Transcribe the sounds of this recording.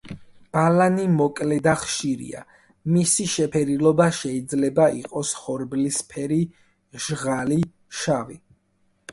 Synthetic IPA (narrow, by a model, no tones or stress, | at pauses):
b̥alanimɔkʼlɛd̪aχʃiɾḭa̰ | misiʃɛpʰɛɾilˠɔbaʃɛid̪zlɛbaḭqʼɔsχɔɾblispʰɛɾi | ʒ̥ʁali | ʃavi